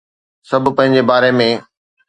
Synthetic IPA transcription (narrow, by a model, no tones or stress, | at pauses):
sɐbʱʊ̆pɐ̃ɦɪ̃ɲ̆d͡ʑebaːɾemẽ